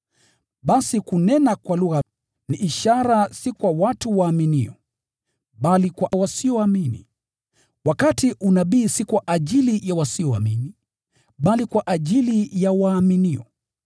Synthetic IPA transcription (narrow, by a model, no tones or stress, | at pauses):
ɓasikunɛnakwaluɣa | niʔiʃaɾasikwawatuwaːminḭɔ | ɓalikwawasiɔaminḭ | wakatiʔunaɓiːsikwaʔaʄilijawasiɔa̰mini | ɓalikwaʔaʄilijawaːminiɔ